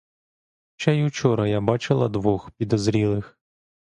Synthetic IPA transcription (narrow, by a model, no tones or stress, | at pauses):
t͡ʃɛjut͡ʃɔɾɐjabɑt͡ʃɪlˠɐd̪ʋɔxpʲid̪ɔzɾʲilˠɪx